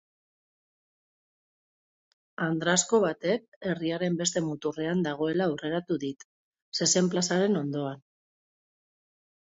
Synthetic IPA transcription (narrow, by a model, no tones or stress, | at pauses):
and̪ɾasko̞βat̪e̞k̚e̞riaɾe̞mbe̞st̪e̞mut̪ure̞and̪aɣ̞o̞elaure̞ɾat̪uðit̪ | se̞se̞mplasaɾe̞no̞nd̪o̞an